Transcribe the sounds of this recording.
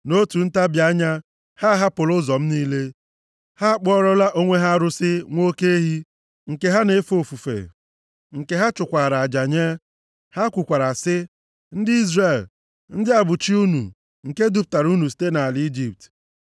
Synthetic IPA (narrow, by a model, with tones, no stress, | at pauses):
no˦tu˨n̩˦ta˦bja˦ɲa˦ | ha˦ɦa˦pʊ˨lʊ˦zɔ˨m̩˦niː˦le˦ | ha˦k͡pɔ˦ɾɔ˦la˦ʔo˦ŋʷe˦ɦa˦ɾʊ˦sɪ˦ŋʷo˦ke˦e˦ɦi˦ | ŋ̩˨ke˦ɦa˦ne˦fo˨fu˨fḛ˨ | ŋ̩˨ke˦ɦa˦t͡ʃʊ˨kʷa˨ɾa˨a˨d͡ʒa˨ɲe˦ | ha˦kʷʊ˨kʷa˨ɾa˨sɪ˦ | n̩˦dɪ˦i˦zre˨l | n̩˦dɪ˦a˨bʊ˨t͡ʃi˦u˦nu˨ | ŋ̩˨ke˦du˦p̚ta˨ɾu˦nu˨s̬i̥˦te˦na˨a˨li˦d͡ʒi˦p̚t